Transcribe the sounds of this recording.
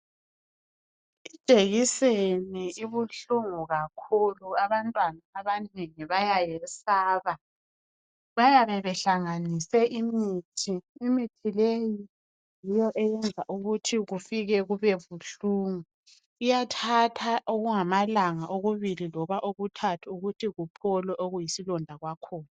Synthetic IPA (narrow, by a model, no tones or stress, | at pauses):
i̥t͡ʃʼeɣiseniiβuɬuŋuɣakʰuluaβantʼwanaːβaneŋiβajajɛsaːβa | βajaβɛβɛɬaŋanisɛʔimiːtʰiːmitʰileji | jijɔʔɛjɛnd͡zʱa̰ʔuɣutʰiɣufiɣɛɣuβɛβuɬuːŋu | ijatʰatʰaʔoɣuŋamalaŋaʔoɣuβililɔβaʔoɣutʰatʰuuɣutʰiɣupʰɔlwɛʔoɣujisilɔndʱaɣwakʰɔːna